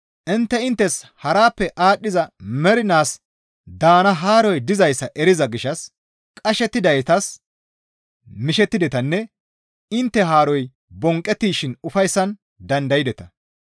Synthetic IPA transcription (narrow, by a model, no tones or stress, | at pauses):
ʔɪnt̪ːɛɪnt̪ːɛshɐɾaːpːɛʔaːɗːɪzɐmɛɾɪnaːs | d̪aːnɐɦaːɾɔjd̪ɪzɐjsːɐʔɛɾɪzɐɡɪʃɐs | kʼɐʃɛt̪ːɪd̪ɐjt̪ɐs | mɪʃɛt̪ːɪd̪ɛt̪ɐnːɛ | ɪnt̪ːɛɦaːɾɔj | bɔŋkʼːɛt̪ːiːʃɪnʊfɐjsːɐn | d̪ɐnd̪ɐjɪd̪ɛt̪ɐ